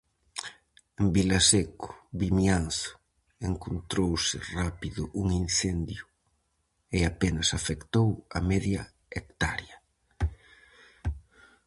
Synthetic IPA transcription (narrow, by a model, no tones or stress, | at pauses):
embilasekʊ̥βimjanθʊ̥ | eŋkont̪ɾowsɪrapiðʊʔuŋin̟θend̪jʊ | ɪapenɐsafekt̪owɐ̰mɛðjɐ | ek̚t̪aɾjɐ